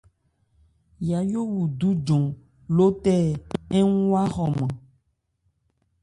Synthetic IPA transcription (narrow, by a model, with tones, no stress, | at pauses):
ja˨jo˦wu˨d̪u˦d͡ʒɔ̃˨ | lo˦t̪ɛ˦ɛ˦ŋũ˦wa˦xɔ˨mã˨